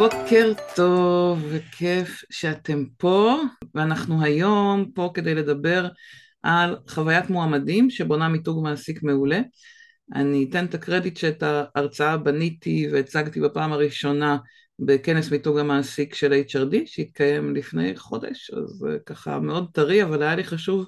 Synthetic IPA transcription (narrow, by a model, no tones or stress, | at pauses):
b̥o̞ke̞ʁto̞vːekʰefʃeate̞mpo̞veanaχnuɦajo̞mpo̞ke̞d̪e̞jle̞dabe̞ʁ | ʔalχavajatmoamadimʃebo̞namituɡmaːsikme̞ule̞ | ʔa̰nitent̪akʁe̞ditʃeːtaːʁt͡saabanitiveːt͡saɡtibapaːmaʁiʃo̞na | beke̞nesmituɡamaːsikʃe̞laitt͡ʃaʁdiʃeit̪̚kaje̞mlifne̞̰jχo̞̰de̞̰ʃa̰zḛkaχa̰me̞o̞d̚taʁiavalajaliχaʃuv